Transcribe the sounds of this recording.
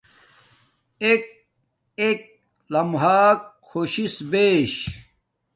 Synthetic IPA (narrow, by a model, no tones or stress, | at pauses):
ek̚ | ek̚ | lɐmɦaːk | xoɕisbeːɕ